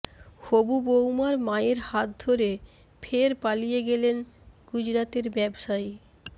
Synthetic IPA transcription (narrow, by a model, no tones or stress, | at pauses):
hobubowmaɾmaeɾhat̪̚d̪ʱoɾe | fʰeɾpalijeɡelenɡ̥ud͡ʑɾat̪eɾbɛbʃae